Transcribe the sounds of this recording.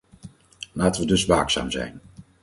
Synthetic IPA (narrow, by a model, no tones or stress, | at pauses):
laːtəʋədɵsʋaːksa̰ːmzɛ̰jn